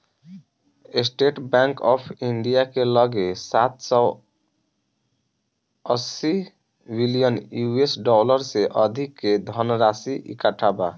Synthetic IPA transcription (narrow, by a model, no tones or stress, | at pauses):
esʈeʈbãŋkɔpʰiɳɖijakeləɡesat̪sɔ | əsi | bilijənjuesɖɔləɾseʔəd̪ʱikːed̪ʱənɾasiʔḭkaʈʰaba